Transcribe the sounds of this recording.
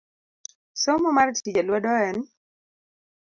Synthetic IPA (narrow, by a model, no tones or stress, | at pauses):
somɔmartid͡ʒalwɔdɔɛn